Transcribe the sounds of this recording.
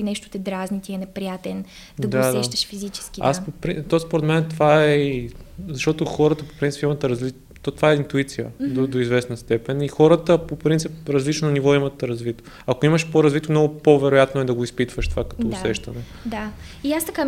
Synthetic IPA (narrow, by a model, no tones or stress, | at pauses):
inɛʃt̪o̥t̪ɛd̪ɾaznit̪iɛnɛpɾijat̪ɛn | dd̪ɐɡd̪aɛʃt̪əʃfizit͡ʃɛ̥skʲia̰spopɾit̪ɔspoɾɛd̪mɛnɛt̪ovaɛ | zɐʃt̪ɔt̪oxɔɾət̪əpo̥pint̪i̥pimət̪ɾɐzli | t̪t̪vaɛint̪uit̪sijə̰d̪od̪oizvɛsnəst̪ɛpɛnixɔɾət̪əpopɾint̪sipɾɐzlit͡ʃnonivɔimɐt̪ɾɐzvit̪o̥ | ɐkoiməʃpoɾɐzvit̪omnɔɡopovɛɾojat̪noɛd̪ɐɡoispit̪vəʃt̪o̥vakɐ̥t̪ɔːsɛʃt̪ɐnɛ | d̪a | iast̪ɐka